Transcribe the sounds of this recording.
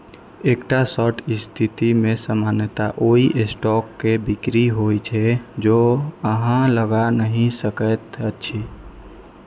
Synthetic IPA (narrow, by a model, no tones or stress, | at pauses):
ekʈasəʈʰist̪ʰit̪imesəmanət̪aʔoiʔesʈɔkːebikɾiɦojt͡ʃʰɛd͡ʒoəɦãləɡanəɦĩsəkət̪ət͡ʃʰi